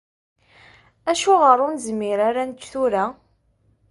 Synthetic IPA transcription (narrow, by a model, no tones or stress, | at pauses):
æʃʊʁəɾˤʊnzmːɪɾaɾanət͡ʃːθuɾa